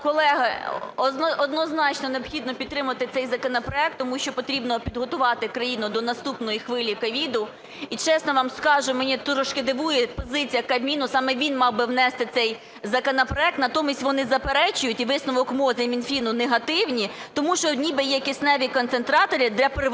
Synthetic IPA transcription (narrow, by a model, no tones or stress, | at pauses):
kɔlˠɛɦɐɔnɔd̪nɔznɑt͡ʃnɔneɔbxʲid̪nɔpʲid̪t̪ːɾɪmʊʋɐt̪ɪt̪sɛjzɐkɔnɐpɾɔɛk̚t̪ːɔmuʃt͡ʃɔpɔt̪ɾʲibnɔpʲid̪ɦɔt̪ʊʋɑt̪ɪkɾɐjinʊd̪ɔnɐst̪upnɔjixʋɪlʲikɐʋʲid̪ʊ | it͡ʃɛsnɔʋɑmskɑʒʊmenʲit̪ɾɔʃked̪ɪʋujɛpɔzɪt͡sʲijɐkɐmʲinʊsɑmɛʋʲinmɑwbɪwnɛst̪ɪt̪sɛj | zɐkɔnɐpɾɔɛk̚t̪nɐt̪ɔmʲisʲtʲʋɔnɪzɐpeɾɛt͡ʃʊjʊtʲiʋɪsnɔʋɔkmɔzɐmʲinfʲinʊneɦɐt̪ɪwnʲi | t̪ɔmuʃt͡ʃɔnʲibɛjɛkʲisnɛʋʲikɔnt̪sent̪ɾɑt̪ɔɾʲid̪lʲɐpɾ